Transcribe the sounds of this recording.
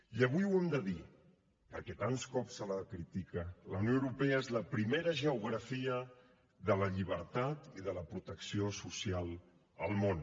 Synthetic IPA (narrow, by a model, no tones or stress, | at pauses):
iəβujwɛmd̪əði | pəɾkɛt̪anskɔpsəlakɾit̪ikələ̰wnijoəwɾupɛəezləpɾimeɾəʒəuɣɾəfiə | ðələʎiβ̞əɾt̪at̪iðələpɾut̪əksiosusialˠ | əlˠmon